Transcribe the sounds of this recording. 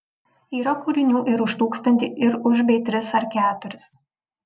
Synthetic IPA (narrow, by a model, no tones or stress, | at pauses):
iːɾɐkuɾʲɪnʲuːʔɪɾʊʃt̪uːkst̪ɐnʲt̪ʲiɪɾʊʒbʲɛɪt̪ʲɾʲɪsɐɾkʲæːt̪ʊɾʲɪs